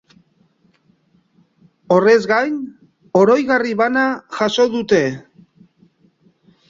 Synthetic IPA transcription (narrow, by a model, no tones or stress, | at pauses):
o̞re̞zɣajn | o̞ɾo̞jɣariβanaʝaso̞ðut̪e̞